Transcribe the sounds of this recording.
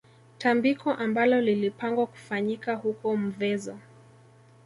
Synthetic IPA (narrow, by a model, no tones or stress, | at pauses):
tambikʰɔʔambalɔlilipaŋɡwaku̥faɲikahukɔm̩vɛzɔ